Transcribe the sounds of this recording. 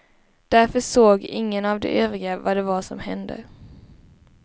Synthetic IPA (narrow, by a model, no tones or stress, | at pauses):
d̪̥æɾfœʂoːɡɪŋːənavd̪ɛ̰ʔøːvɾɪɡavad̪ɛvaʂɔmhɛnd̪ə̰